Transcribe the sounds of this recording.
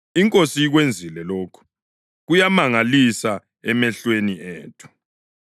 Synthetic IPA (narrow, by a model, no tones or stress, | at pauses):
iŋkʼosiiɣwend͡zʱilɛloːkʰu̥ | ɣujamaŋalisa | ɛmɛɬweniɛ̰ːtʰu̥